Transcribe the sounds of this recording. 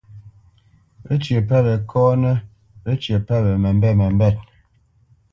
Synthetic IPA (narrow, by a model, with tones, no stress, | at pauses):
ə˦t͡ʃjə˨pɛ˦bə˨kʰɔː˦nə˦ | ə˦t͡ʃjə˨pɛ˦bɛ˨mɛ˨m˦bɛ˦˨mə˨m˦bɛ˦˨t̚